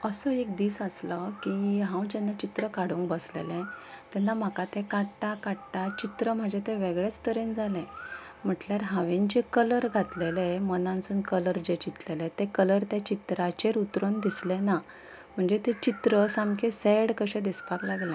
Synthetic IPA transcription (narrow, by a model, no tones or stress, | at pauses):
əsəek̚d̪iːsəsləkiɦãwd͡ʑɛnːat͡ɕit̪ɾəkaɽ̤ũŋkbəslḛlɛ̃t̪ɛnːam̤akat̪ẽkaɽʈakaɽʈat͡ɕit̪ɾəm̤ad͡ʑet̪ẽʋeɡɭet͡st̪əɾẽnd͡zʱalɛ̃ | m̤əʈljaɾɦãʋẽnt͡ɕekələɾɡʱat̪lelemənãnt͡sunkələɾd͡ʑet͡ɕit̪lelɛt̪ekələɾt̪jat͡ɕit̪ɾat͡ɕeɾut̪ɾənd̪islena | m̤əɳd͡zet̪et͡ɕit̪ɾəsamkeseɽkəɕɛ̃d̪ispaklaɡlã